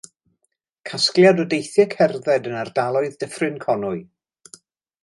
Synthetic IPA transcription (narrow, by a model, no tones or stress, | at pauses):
kʰaskljadɔdejθjɛkʰɛrðɛdənardalˠɔɨðdəfrɨnkʰɔnʊɨ